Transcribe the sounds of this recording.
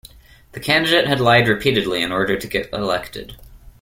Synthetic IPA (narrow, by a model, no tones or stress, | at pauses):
ðɨkʰæ̃ndɨdeɪt̚hɨdˡlaɪd̚ɹɨpʰiɾɨdˡliɨ̃nɔɹɾə˞ɾɨɡɛɾə̰lɛktɨ̰d̥